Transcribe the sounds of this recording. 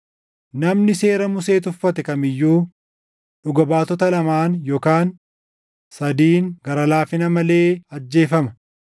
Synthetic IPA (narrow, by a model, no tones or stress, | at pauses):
nɐmnɪse̞ːɾɐmʊse̞ːt̪ʊfːɐt̪ɛkɐmɪjːuː | ᶑʊɡɐbaːt̪ɔt̪ɐlɐmaːnjoːkaːn | sɐd̪iːŋɡɐɾɐlaːfɪnɐmɐle̞ːɐd͡ʒːe̞ːfɐmɐ